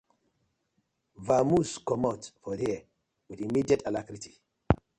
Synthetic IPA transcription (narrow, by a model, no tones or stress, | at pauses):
vamuskɔmɔtfɔdiə | widimidiatalakɾiti̥